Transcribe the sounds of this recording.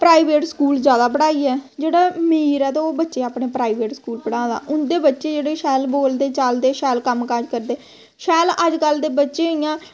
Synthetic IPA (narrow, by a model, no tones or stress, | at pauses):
pɾaːiːʋeːʈskuːlzjaːd̪aːbəɽaːiːɛːd͡ʒeːɽaːmiːɾɛːt̪eoːbətːʃeːaːpɳeːpɾaːiːʋeːʈskuːlpəɽãːd̪a̰ːʔʊnd̪eːbətːʃeːd͡ʒeːɽeːʃɛːlboːld̪eːt͡ʃəld̪eːʃɛːlkəmkad͡ʒkəɾd̪eː | ʃɛːləd͡ʒkəld̪eːbətːʃeːijãː